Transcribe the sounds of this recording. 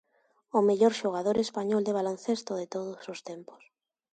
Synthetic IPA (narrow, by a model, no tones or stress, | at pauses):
ʊmeʎoɾʃoɣ̞aðoɾespaɲɔld̪eβ̞alonθest̪ʊðet̪oðʊsost̪empʊ̥s